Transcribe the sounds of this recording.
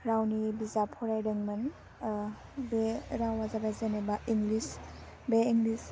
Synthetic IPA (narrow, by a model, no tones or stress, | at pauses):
ɾawnibizapʰɔɾajɾɯŋmɯn | beɾawazabajzenebaʔiŋɡlis | beiŋɡlis